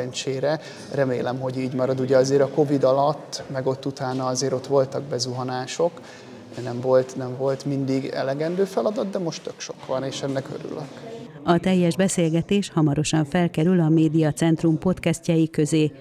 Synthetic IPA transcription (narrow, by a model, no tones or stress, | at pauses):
ɛɲt͡ʃeːɾɛ | rɛmeːlɛmɦo̞ɟiːɟmɒɾɒd̪uɟɛɒzeːɾɒko̞vid̪ɒlɒt̪ːmɛɡo̞t̪ːut̪aːnɒɒzeːɾo̞t̪ʋo̞lt̪ɒɡbɛzuɦɒnaːʃo̞k | nɛɱvo̞lt̪nɛɱvo̞lt̪mind̪iɡɛ̰lɛɡɛnd̪øːfɛlɒd̪ɒd̪d̪ɛmo̞ʃt̪ːø̞kʃo̞kʋɒneːʃɛnːɛkø̰ɾy̰lø̰k | ɒt̪ɛjːɛʒbɛseːlɡɛt̪eːʃhɒmɒɾo̞ʃɒɱfɛlkɛɾylɒmeːd̪ijɒt̪sɛnt̪rumpo̞t̪kɛscɛjikø̞zeː